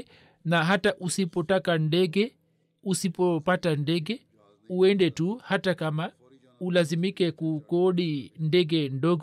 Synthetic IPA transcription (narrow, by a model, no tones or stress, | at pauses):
naɦataʔusipɔtakandɛɡɛ | usipɔpatandɛɡɛ | uɛndɛtuhatakama | ulazimikɛkukɔɗindɛɡɛndɔɡɔ